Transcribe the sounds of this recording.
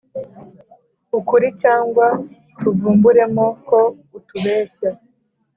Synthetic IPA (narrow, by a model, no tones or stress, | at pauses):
ukuɾicaːŋɡwa | tuvuːmbuɾe̞moko̞ | utuβe̞ːʃa